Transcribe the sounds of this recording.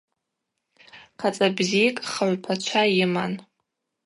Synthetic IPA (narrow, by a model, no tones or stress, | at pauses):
qʰat͡sʼabzijkʼχaɥpʰat͡ʃʷʰajɪman